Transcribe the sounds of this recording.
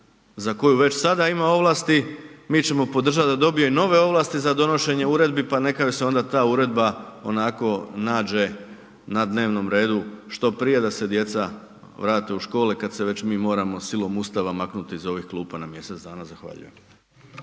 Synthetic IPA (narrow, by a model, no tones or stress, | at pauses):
zako̞juʋe̞t͡ɕsad̪aimao̞ʋlˠast̪imiːt͡ɕe̞mo̞po̞d̪r̩ʒat̪d̪ad̪o̞bijoino̞ʋe̞o̞ʋlˠaːst̪izad̪o̞no̞ʃe̞ɲe̞uɾe̞d̪bipane̞kajoseo̞nd̪at̪aːuɾe̞d̪bao̞̰nako̞naːd͡ʒe̞ | nad̪ne̞ːʋno̞mɾe̞ːd̪uʃt̪o̞pɾije̞d̪ase̞d̪je̞t̪sa | ʋɾaːt̪e̞uʃko̞ːlekad̪se̞ʋe̞t͡ɕmiːmo̞ːɾamo̞silˠo̞must̪aʋamaknut̪iizo̞ʋixklˠuːpanamje̞se̞t̪d̪aːnazaxʋa̰ʎṵjḛm